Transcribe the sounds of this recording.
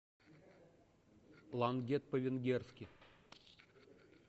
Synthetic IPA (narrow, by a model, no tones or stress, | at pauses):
lˠanɡʲet̪̚pəvʲɪnɡʲerskʲɪ